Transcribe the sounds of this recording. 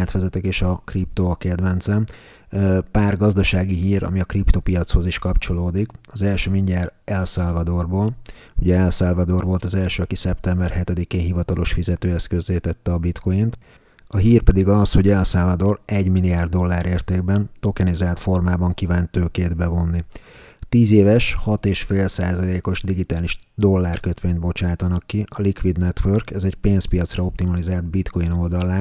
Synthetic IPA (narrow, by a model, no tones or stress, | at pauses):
at̪ʋɛzɛt̪ɛkeːʃɒkrip̚t̪okɛd̪vɛnt̪zɛm | paːrɡɒzd̪ɒʃaːɡiɦiːɾɒ̰miɒkript̪o̞pijɒt̪sho̞ziʃkɒpt͡ʃo̞loːd̪ikɒzɛlʃøːmiɲɟaːrɛlsaːlvɒd̪o̞rboːl | uɟɛɛlsaːlvɒd̪o̞rvo̞lt̪ɒzɛlʃøːɒkisɛpt̪ɛmbɛrhɛt̪ɛd̪ikeːnɦivɒt̪ɒlo̞ʃfizɛt̪øːɛst̪̚kø̞zːeːt̪ɛt̪ːɛɒbit̪ko̞jint̪ | ɒɦiːrpɛd̪iɡɒsho̞ɟɛlsɛlvɒd̪o̞rɛɟmiliaːrd̪ːo̞lːaːɾeːrt̪eːɡbɛnt̪o̞kɛnizaːlt̪fo̞rmaːbɒŋkivaːnt̪øːkeːd̪bɛvo̞nːi | t̪iːzeːvɛʃhɒt̪eːʃfeːlsaːzɒleːko̞ʒd̪iɡit̪aːliʒd̪o̞lːaːrkøt̪ʋeːɲt̪̚bo̞t͡ʃaːt̪ɒnɒkːiʔɒlikʋid̪nɛt̪ʋørkɛzɛcpeːnspijɒt̪srɒo̞p̚t̪imɒlizaːld̪̚bit̪ko̞jino̞ld̪ɒlaː